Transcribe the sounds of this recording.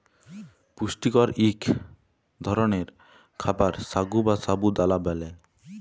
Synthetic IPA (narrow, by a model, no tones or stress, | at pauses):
puʃʈikɔɾikʰ | d̪ʱɔɾoneɾ | kʰabaɾsaɡubasabud̪alabɛle